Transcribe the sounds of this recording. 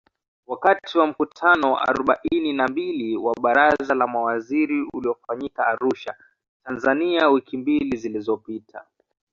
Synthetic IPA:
wakatiwam̩kutʰanɔwa̰ʔa̰ɾɔɓaʔininambiliwaɓaɾazalamawaziɾiuliɔfaɲikaːɾuʃa | tanzaniawikimbilizilizɔpitʰa̰

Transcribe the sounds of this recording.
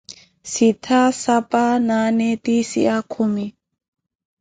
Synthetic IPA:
sit̪ʰasapananet̪isḭʔakʰumi

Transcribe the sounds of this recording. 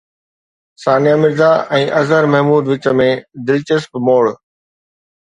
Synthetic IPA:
saːnijamɪɾzaʔɛ̃ːʔɐzəɾmɐɦmuːd̪ʋɪt͡ɕə̆mẽd̪ɪlt͡ɕɪspmoːɭ

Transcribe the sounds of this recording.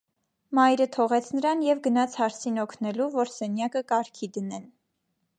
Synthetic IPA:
mɑjɾət̪ʰɔʁɛt͡sʰnəɾɑnjɛvɡənɑt͡sʰhɑɾt͡sʰinɔkʰnɛluvɔɾsɛnjɑkəkɑɾkʰid̪ənɛn

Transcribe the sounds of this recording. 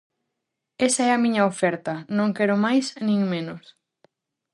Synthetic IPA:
esɐɛɐmĩɲɐofɛɾt̪ɐnõŋkɛɾʊmajsnĩŋmẽnos

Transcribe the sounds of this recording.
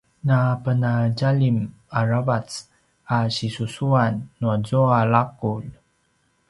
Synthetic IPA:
napənaɟalim | aɾavat͡s | aɕisusuanːuazoalakuʎ

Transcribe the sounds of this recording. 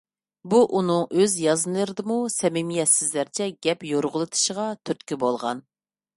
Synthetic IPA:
buʔunɨŋøzjɑznɨlˠɨɾɪd̪ɨmusɛmɪmijɛt̪sɪzlæɾt͡ʃʰɛɡʲɛpjoɾʁʊlˠɨt̪ʰɨ̥ʃəʁɑt̪ʰøt̪kʲybolˠʁɑn

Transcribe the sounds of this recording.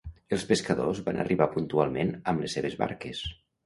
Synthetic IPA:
əlˠspeskəðozβa̰nʔə̰riβapunt̪ualˠmenəmleseβ̞ezβa̰ɾkes

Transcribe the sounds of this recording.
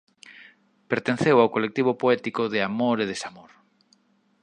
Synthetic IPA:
peɾt̪ẽn̟θewaowkolek̚t̪iβ̞opoɛt̪ikoðɪamoɾeð̞esamoɾ

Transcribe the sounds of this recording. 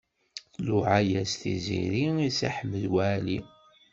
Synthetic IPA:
luʕajæsθḭzḭɾiisa̰ħəmːəðwæli

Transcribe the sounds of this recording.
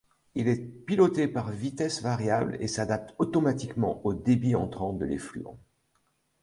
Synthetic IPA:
ilɛpilɔt̪epaʁvit̪ɛsvaʁjablḛsad̪ap̚t̪ɔt̪ɔmat̪ikmɑ̰̃ʔod̪ebiɑ̃t̪χɑ̃d̪ə̰lḛfly̰ɑ̰̃

